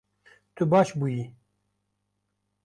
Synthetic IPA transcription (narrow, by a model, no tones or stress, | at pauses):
t̪ubɑːʃbuji